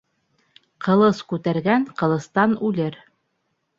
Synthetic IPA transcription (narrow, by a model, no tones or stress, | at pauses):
qɤ̆lˠɤskʉt̪æɾɡæɴqɤ̆lˠɤ̆st̪ɑnʉlɘɾ